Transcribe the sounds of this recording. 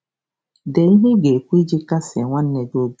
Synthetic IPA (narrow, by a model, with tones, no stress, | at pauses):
de˨i˦ɦe˦ɡe˨kʷu˦i˦d͡ʒi˦ka˦sɪ̰˨ŋʷa˦n̩˦ne˨do˦b